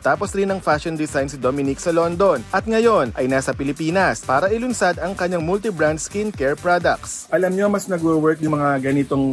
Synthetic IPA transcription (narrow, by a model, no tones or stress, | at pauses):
t̪aːposɾɪnɐŋfaʃond̪ɪsajnsɪd̪omɪniksɐlo̞nd̪o̞nʔɐt̪̚ŋɐjo̞nʔɐjnaːsɐpɪlɪpiːnɐspaːɾɐʔɪlʊnsad̪ɐŋkɐɲːaŋmult̪ɪbɾand̪skinkɛɹpɹod̪ɐk̪̚sʔɐlɐmɲoɐmɐsnɐɡwowɛɹk̪jʊmɐŋaɡɐnɪt̪oŋ